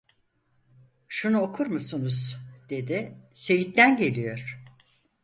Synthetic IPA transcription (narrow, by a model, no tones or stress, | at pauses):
ʃunuokʰuɾmusunuz̥d̪e̞d̪ɪse̞jit̪ːænɟe̞lʲijo̞ɾ̥